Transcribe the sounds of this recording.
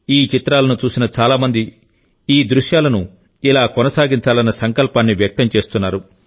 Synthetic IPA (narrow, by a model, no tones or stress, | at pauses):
iːt͡ʃit̪ɾaːlɐnut͡ʃuːsinɐt͡ʃaːlaːmɐnd̪i | iːd̪ɾuʂjaːlɐnu | ilaːkɔnɐsaːɡint͡ʃaːlɐnːɐsɐŋkɐlpaːnːiʋjɐk̚t̪ɐmt͡ʃe̞ːst̪unːaːɾu